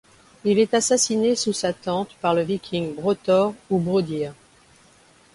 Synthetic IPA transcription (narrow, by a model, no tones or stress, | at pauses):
ilɛt̪asasinesusat̪ɑ̃t̪paʁləvikʲʰiŋbʁɔt̪ɔʁubʁod̪iʁ